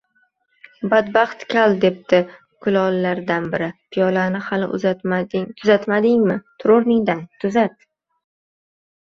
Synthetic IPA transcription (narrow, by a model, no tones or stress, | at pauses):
bad̪bɑχt̪kʲʰalˠd̪e̞p̚t̪ɪ | kʰʊlɒlːaɾd̪anbɪɾɪpʰɪjɒlanɪhalɪ̰ʔʊ̰zat̪maɪŋt̪ʰʊzat̪mad̪ɪŋmɪt̪ʰʊɾoɾnɪŋd̪ant̪ʰʊzat̪